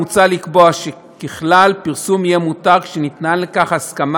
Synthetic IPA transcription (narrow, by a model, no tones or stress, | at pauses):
ut͡salikboaʃe | keχlalpiʁsumijemut̪aʁkʃenit̪nanlekaχhaskam